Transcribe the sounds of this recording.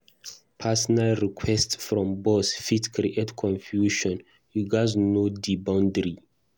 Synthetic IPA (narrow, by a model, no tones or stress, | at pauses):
pʰasɔnalɹikʰwɛstsfɾɔ̃mbɔsfitkʰɾiʔetkʰɔ̃nfjuʃɔ̃n | hiɡaznodibãʊ̃ndɾi